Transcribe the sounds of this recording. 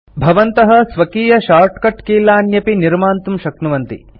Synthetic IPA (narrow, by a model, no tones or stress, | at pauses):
bʱɐʋɐnt̪ɐɦɐsʋɐkiːjɐʃaːɾʈkɐʈkiːlaːnjɐpiniɾmaːnt̪umʃɐknuʋɐnt̪ḭ